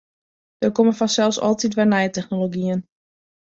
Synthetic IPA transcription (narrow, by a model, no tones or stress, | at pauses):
d̥ərkoməfasɛlˠsɔ̰lˠtit̬ʋɛjnɛjətɛxnoloɡiən